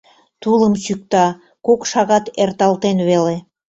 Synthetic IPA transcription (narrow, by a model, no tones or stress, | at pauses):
t̪uləmsyk̚t̪ɑ | kokʃɑɣɑt̪ert̪ɑlˠt̪enβele